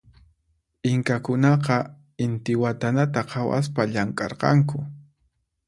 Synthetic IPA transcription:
ɪŋkakʊnɑqɑ | ɪnt̪ɪwat̪anat̪aqʰɑwa̰s̬paʎaŋkʼɑ̰ɾqɑ̰ŋkʊ

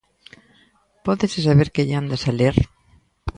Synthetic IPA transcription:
pɔðɪsɪsaβeɾkeʎand̪asaleɾ

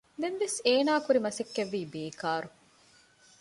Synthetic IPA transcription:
d̪enʋeseːnaːkuɾimɐsekːeʋːiːbeːkaːɾu

